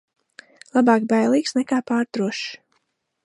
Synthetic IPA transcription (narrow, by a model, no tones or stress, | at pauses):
lˠabɑːkbajlˠiːksnɛkaːpaːɾt̪ɾuɔʃ